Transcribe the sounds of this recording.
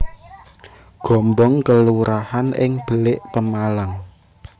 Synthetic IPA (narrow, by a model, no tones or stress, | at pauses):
ɡ̥ɔ̤mbɔŋkəluɾahanɪŋb̥ə̤lɪʔpəmalaŋ